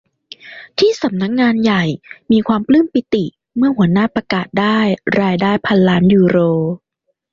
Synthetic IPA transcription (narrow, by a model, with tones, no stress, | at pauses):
t̪ʰiː˥˩sa˩˦mna˦˥k̚ŋaː˧nja˨˩jmiː˧kʰwaː˧mplɯ˥˩mpi˧˩t̪i˨˩ | mɯ˥˩ɐhu˩˦ɐnaː˥˩pɾa˧kaː˨˩t̪̚daː˥˩jɾaː˧jdaː˥˩jpʰa˧nlaː˦˥njuː˧ɾoː˧